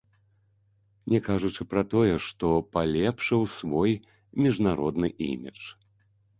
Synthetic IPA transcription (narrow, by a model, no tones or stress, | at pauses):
nʲɛkaʐut͡ʂɨpɾɐt̪ɔjɛʂt̪ɔpalʲɛpʂɨwsvɔj | mʲiʐnaɾɔd̪nɨʔḭmʲḭt͡ʂ